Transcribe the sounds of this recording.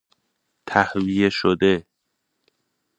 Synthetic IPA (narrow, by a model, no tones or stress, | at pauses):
t̪ʰæhvijeʃod̪e